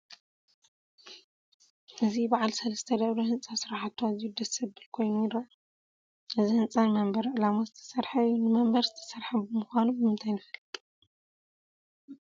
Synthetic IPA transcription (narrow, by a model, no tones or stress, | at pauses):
ʔɨzibaʕalsɐlɐst̪ʰɐd̪ɐβlohɨnsʼasɨɾaħat̪ʰːozijud̪ɐsɨbɨlkʰo̞jnujɪɾɐʔ | ʔɨzihɨnsʼanmɐmbɐɾʕɨlamozɨt̪ʰɐ̥sɐɾħaunɨmɐmbɐɾzɨt̪ʰɐ̥sɐɾħabɨmuxʷanubɨmɨnt̪ʰajnɨfɐlː